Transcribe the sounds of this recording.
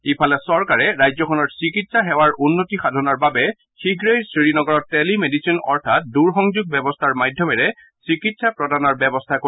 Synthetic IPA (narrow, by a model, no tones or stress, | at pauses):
ipʰalɛsɔɹkaɹɛɹajzɔkʰɔnɔɹsikitsaɦɛwaɹunːotixadʱɔnɔɹbabɛ | xiɡɹejsɹiɹinɔɡɔɹɔttːɛlimedisinɔ̰ɹtʰat̚duɹxɔŋzuɡ̚bɛbɔstʰaɹmadʱjɔmɛɹɛ | sikitsapɹɔdanɔɹbɛbɔstʰako